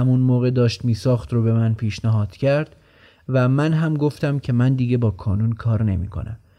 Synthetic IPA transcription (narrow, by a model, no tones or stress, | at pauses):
hæmunmoːɣe̞d̪ɒːʃt̪miːsɒːxt̪ɾobe̞mænpʰiːʃnæɦɒːd̪̥cʰæɾd̪̥ | væmænɦæmɡo̞ft̪æmcʰe̞mænd̪iːɡe̞bɒːkʰɒːnunkʰɒːɾne̞̰mḭːkʰo̞̰næ̰m